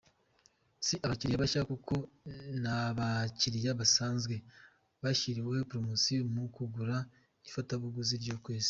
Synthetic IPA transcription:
siʔaβaciɾijaβaʃaakukʰo̞naβaciɾijaβasaːnzɡwe̞ | βaʃiɾiwehepɾomosiomukuɡuɾa | ifataβuɡuziɾɟokwiːzi̥

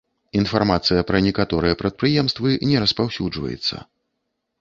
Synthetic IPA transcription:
infarmat̪sɨjɐpɾɐnʲɛkat̪ɔɾɨjɐpɾɐt̪̚pɾɨjɛmst̪vɨnʲɛɾɐspawsʲud͡ʐvɐ̰jɛ̰t̪sːɐ̰

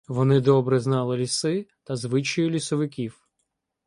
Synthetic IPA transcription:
ʋɔnɪd̪ɔbɾɛznɑlˠɪlʲisɪt̪ɐzʋɪt͡ʃɔjʊlʲisɔʋɪkʲiw

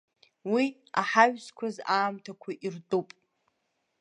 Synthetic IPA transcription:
wi | a̰ħaɥᶣskʷʰazaːmtʰakʷʰaʔirdʼupʼ

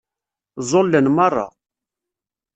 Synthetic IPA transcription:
zˤolːənmɑrˤːɑ̰

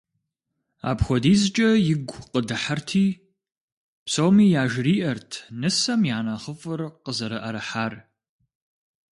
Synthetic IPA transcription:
a̰ːpxʷɔdiːzt͡ʃʼɐjɪɡʷqədɨħartʰiː | psowmiːjaːʒriːʔɐrtʰnɨsɐmjaːnaːχəfʼɨrqəzɐɾɐʔɐɾɐħaːr

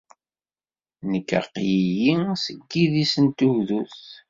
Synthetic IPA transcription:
nəkːə̰qːjijisəɡːiðisənt̪uwðuθ

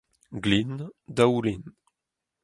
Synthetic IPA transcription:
ɡlind̪awlin

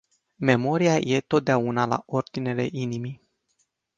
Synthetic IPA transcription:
me̞mo̞ɾijajʔe̞t̪o̞t̪̚d̪eaunala̰ʔo̞rd̪ine̞le̞ʔinimi

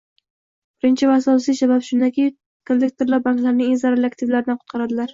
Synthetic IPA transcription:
b̥ɪɾɪnt͡ʃʰɪvaasɒsijsabapʃʊnd̪akʲi | kʰond̪ekt̪oɾlaɾbaŋklaɾnɪŋenzaɾelɪak̚t̪ʰɪvlaɾɪd̪anqʊ̥t̪̚qʰɑɾad̪ɪlaɾ

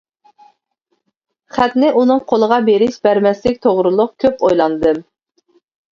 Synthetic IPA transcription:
χæt̪nɪʔunɨŋqʰolˠəʁɑbeɾɪʃbæɾmɛslɪk̚ʲt̪ʰoʁɾɨlˠʊqkʲʰøpojlˠɑnɨd̪ɨm

